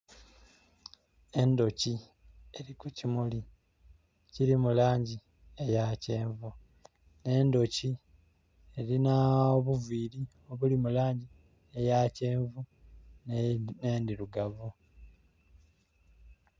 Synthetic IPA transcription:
e̞ndo̞ci | e̞ɾikucimuli | ciɾimulaːɲɟi | e̞jace̞ːɱvu | ne̞ːndo̞ci | e̞ɾinaoβuviːɾi | o̞βulimulaːɲɟi | e̞jace̞ːɱvu | neːndiɾuɡavu

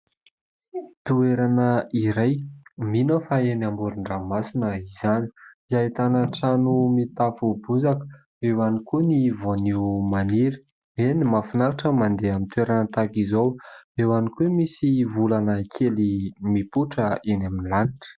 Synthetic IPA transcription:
t̪ueɾanəiɾajminəfaenambuɾuɳɖ͡ʐamasinəizani̥zat̪anaʈ͡ʂanumit̪afubuzakə̥ | ewanikunivonimaniɾə̥ | enimafunaɾaʈ͡ʂəmand̪eamint̪uweɾanət̪akizowewanikemisivulanəkʰelimipuʈ͡ʂəinaminilaniʈ͡ʂə̥

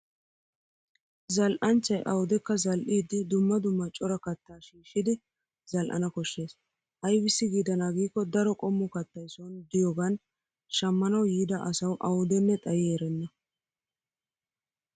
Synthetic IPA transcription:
zɐlʔɐnt͡ʃːɐjʔɐwʊd̪ɛkːɐzɐlʔiːd̪ɪd̪ʊmːɐd̪ʊmːɐt͡ʃʼɔɾɐkɐt̪ːaːʃiːʃɪd̪ɪ | zɐlʔɐ̰nɐkɔʃːe̞ːs | ʔɐjbɪsːɪɡiːd̪ɐnaːɡiːkːɔd̪ɐɾɔkʼɔmːʊkɐt̪ːɐjsond̪ɪjoːɡɐn | ʃɐmːɐnɐwjiːd̪ɐʔɐsɐwʔɐwʊd̪ɛnːɛt̪ʼɐjːɾɛnːɐ

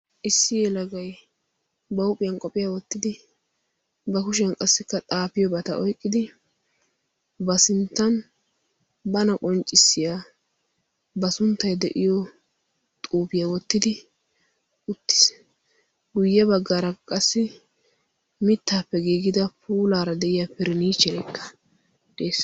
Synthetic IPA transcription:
ʔɪsːɪjɛlɐɡɐj | bɐʊpʼːɪjɐnkʼɔpʼɪjawɔt̪ːɪd̪ɪ | bɐkʊʃ̬ɪjɐnkʼɐsːɪkːɐt̪ʼaːpɪjɔbɐt̪ɐʔɔjkʼːɪd̪ɪ | bɐsɪnt̪ːɐn | bɐnɐkʼɔnt͡ʃʼːɪsːɪjaː | bɐsʊnt̪ːɐjd̪ɛʔɪjɔ | t̪ʼuːpɪjawɔt̪ːɪd̪ɪ | ʔʊt̪ːɪ̥s | ɡʊjːɛbɐɡːaːɾɐkʼɐsːɪ | mɪt̪ːaːpːɛɡiːɡɪd̪ɐpuːlaːɾɐd̪ɛʔɪjapɪɾɪniːt͡ʃːɛɾɛkʰːɐ̥ | d̪̥eːs

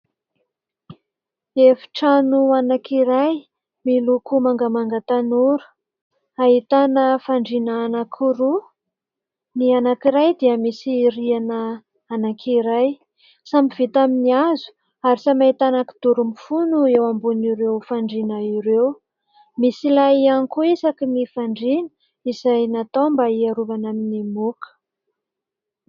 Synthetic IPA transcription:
efi̥ʈ͡ʂanuanakiɾaj | milukumaŋɡəmaŋɡat̪anuɾu̥ | aɦit̪anəfaɳɖ͡ʐinaːnakʰuɾu | nianakiɾajd̪iəmisiɾianəː | nakʰiɾaj | sambiv̥it̪aminiazu̥ | aɾisamait̪anaki̥d̪̥uɾumifunuewambuniɾewfaɳɖ͡ʐinaiɾew | misilajanikuisakinifaɳɖ͡ʐinə̥ | izajnat̪ombaiaɾuvanaminimukə̥

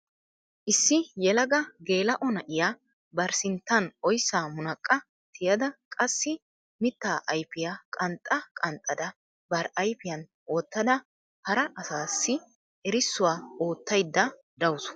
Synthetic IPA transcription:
ʔɪsːɪjɛlɐɡɐɡe̞ːlɐʔɔnɐʔɪjaː | bɐɾsɪnt̪ːɐnɔjsːaːmʊnɐkʼːɐ | t̪ʰɪjɐd̪ɐkʼɐsːɪ | mɪt̪ːaːʔɐjpɪjakʼɐnt̪ʼːɐkʼɐnt̪ʼːɐd̪ɐ | bɐɾɐjfɪjɐn | ʔo̞ːt̪ːɐd̪ɐ | hɐɾɐʔɐsaːsːɪ | ɛɾɪsːʊwaːoːt̪ːɐjd̪ːɐ | d̪ɐwʊsʊ̥

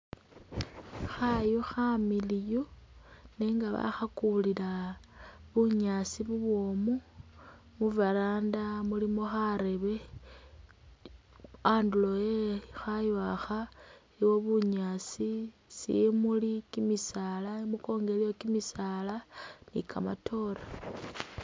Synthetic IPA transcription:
xajoxamilijone̞ːŋɡaβa̰xakulila | βuɲasiβuβwo̞mu | muvalaːndamulimoxaɾe̞βe̞ | aːndulojexajwaxa | iwo̞βuɲasi | sḭmulikimisalaimuko̞ːŋɡe̞lijokimisalanḭkʰama̰tʰo̞ɾa

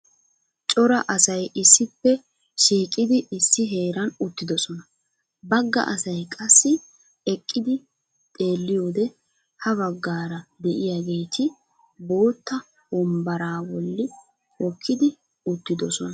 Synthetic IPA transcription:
t͡ʃʼɔɾɐʔɐsɐjɪsːɪpːɛ | ʃiːkʼɪd̪ɪɪsːɪɦe̞ːɾɐnʊt̪ːɪd̪ɔsɔnɐ | bɐɡːɐ̰ʔɐsɐjkʼɐsːɪ | ɛkʼːɪd̪ɪ | t̪ʼe̞ːlːɪjo̞ːd̪ɛ | hɐβɐɡːaːɾɐd̪ɛʔɪjaɡe̞jt̪ʰɪ | bo̞ːt̪ːɐ | wɔmbɐɾaːwɔlːɪ | ɔkʰːɪd̪ɪ | ʊt̪ːɪd̪ɔsɔnɐ

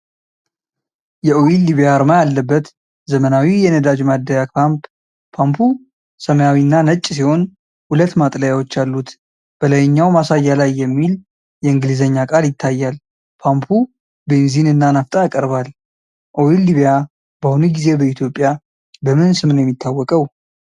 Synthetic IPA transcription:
jɛʔowilːiβjaɾmajalːəbːət̪ | zəmənawijɛnəd̪ad͡ʒmad̪ːəjaamp | pʰampʰu | səməjawinːanət͡ʃʼːsiho̞n | hulət̪ːmat̪ʼləjawo̞t͡ʃːalːut̪ | b̥əlajɪɲːawmasajːalajːɛmːil | jɛɨŋɡɨlizəɲːakʼaljɪt̪ʰːajːal | pʰampʰu | benzinɨnːanaft̪ʼaakʼəɾbal | ʔo̞wilːiβja | b̥əhunuɡize̞bəit̪ʰjo̞pʼːja | bəmɨnsɨmɨnjɛmːit̪ʰːawːɔkʼəw

